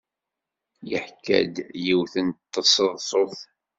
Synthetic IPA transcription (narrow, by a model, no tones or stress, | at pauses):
jəħkːæ̰d̪jiwθənt̪ːəsˤəðˤsˤoθ